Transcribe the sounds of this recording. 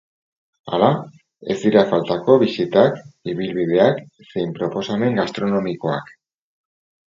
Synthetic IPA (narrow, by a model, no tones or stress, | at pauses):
a̰la | e̞̰zd̪iɾafalt̪ako̞βisit̪akiβ̞ilβiðe̞ak | se̞jmpɾo̞po̞same̞ŋɡast̪ɾo̞no̞miko̞a̰k